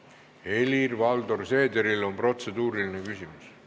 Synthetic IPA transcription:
e̞lirvɑld̪o̞rse̞ːd̪eɾilo̞npro̞t̪se̞d̪uːɾiline̞kysimus

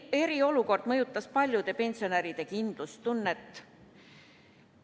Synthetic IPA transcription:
e̞ɾio̞luko̞rd̪̥mɤjut̪ːˑɑspɑlʲjud̪̥e̞pe̞nʲsio̞næɾid̪̥e̞kind̪̥lust̪unːet̪ː

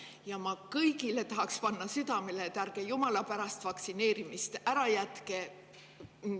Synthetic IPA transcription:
jɑmɑkɤjɡile̞t̪ɑɦɑkspɑnːɑsyd̪̥ɑmelet̪ærɡ̥e̞jumɑlɑpæɾɑst̪vɑksine̞ːɾimist̪æɾɑjæt̪ke

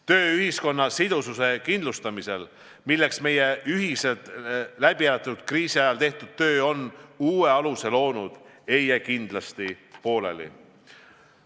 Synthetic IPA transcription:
t̪ø̞ːyɦisko̞nːɑsid̪̥ususe̞kind̪lust̪ɑmise̞l | milːe̞ksme̞je̞yɦise̞lt̪læb̥iælɑt̪ːˑud̪̥̚kriːsiɑjɑlt̪e̞ht̪ud̪̥̚t̪ːø̞ːo̞nuːe̞ɑluse̞lo̞ːnud̪̥ | e̞jækind̪̥lɑst̪i | po̞ːle̞̰lḭ

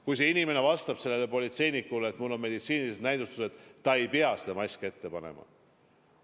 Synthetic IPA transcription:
kujs̬e̞inime̞ne̞vɑst̪ɑb̥se̞lːe̞lːepo̞lʲit̪se̞jnikːuleːt̪mulːo̞nme̞d̪it̪siːnilised̪næjd̪ust̪u̥sed̥̪ːɑe̞jpeɑse̥d̪̥emɑjsʲkee̞t̪ːe̞pɑnḛmɑ̰

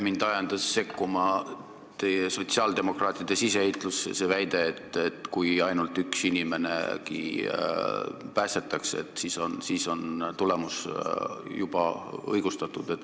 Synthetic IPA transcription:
mind̪̥ɑjɑnd̪̥ɑsːe̞kːumɑ | t̪e̞jeso̞t̪siɑːld̪e̞mo̞krɑːt̪ˑid̪̥e̞siseeit̪ˑlusḛse̞væjd̪̥e̞ːt̪ːet̪kujɑjnult̪ːˑyksinime̞ne̞̰kḭ | pæːst̪e̞t̪ːˑɑkseet̪ˑsiːso̞nsiːso̞nt̪ule̞mus | jub̥ɑ̰ɤ̰jɡ̥ust̪ɑt̪ːˑud̪̥e̞t̪ːˑ

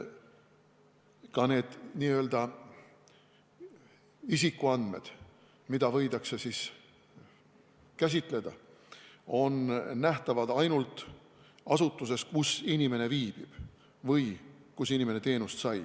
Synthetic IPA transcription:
kɑne̞ːd̪̥niːø̞ld̪ɑ | isikːˑuɑnd̪me̞̰d̪̥ | mid̪̥ɑvɤ̞jd̪ɑksesis | kæs̬ʲit̪ˑle̞d̪̥ɑ̰ | o̞nnæht̪ɑvɑd̪̥ɑjnult̪ˑ | ɑsut̪ːˑuse̞skusinʲime̞ne̞viːb̥ib̥ | vɤjkusinʲimenet̪e̞ːnust̪sɑj

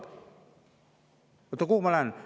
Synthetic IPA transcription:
ut̪ukumalan

